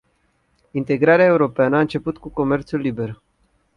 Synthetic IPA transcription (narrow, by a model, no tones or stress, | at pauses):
int̪e̞ɡɾaɾeae̞uɾo̞peanəaɨnt͡ʃe̞put̪kuko̞me̞rt̪sulːibe̞r